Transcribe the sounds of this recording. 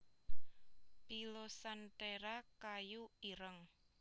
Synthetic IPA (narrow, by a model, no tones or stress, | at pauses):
pilosant̪eɾakajuiɾəŋ